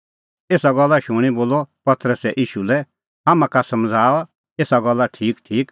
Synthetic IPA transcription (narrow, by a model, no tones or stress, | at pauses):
eːsaɡɔlːaʃʊɽ̃iboːlːɔpɐt̪ɾəsɛʔiːʃulɛ | ɦaːmãkasɐmd͡zʱaːɔ | eːsaɡɔlːaʈʰiːkʈʰiːk